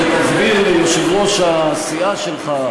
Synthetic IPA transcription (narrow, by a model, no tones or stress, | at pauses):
et̪azbillejoʃevʁoʃaːsiaʃelχa